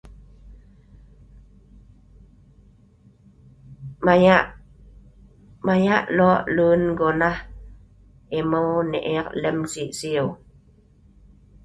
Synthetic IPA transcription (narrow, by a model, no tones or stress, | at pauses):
aa | majaʔloaʔluːnɡona | emowneʔeɑqlemsiʔsiow